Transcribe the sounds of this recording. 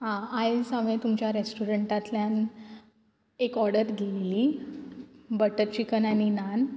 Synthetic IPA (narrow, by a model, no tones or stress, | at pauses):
ɦãajsamet̪umt͡ɕjaɾesʈuɾəɳʈat̪ljan | ekɔɾɽəɾɡʱelli | bəʈəɾt͡ɕikənaninan